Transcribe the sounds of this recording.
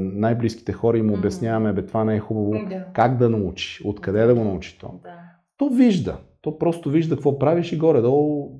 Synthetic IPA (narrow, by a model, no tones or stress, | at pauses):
najbliski̥t̪ɛxɔɾɐimobjɐsnʲjavɐmɛbɛt̪ovanɛɛxubɐvokaɡd̪ɐnɐut͡ʃi̥ot̪kɐd̪ɛd̪ɐɡonɐut͡ʃi̥t̪ɔ̰ | t̪ɔviʒd̪ə̰t̪ɔpɾɔst̪oviʒd̪ɐkɐkvɔpɾaviʃiɡɔɾɛd̪ɔ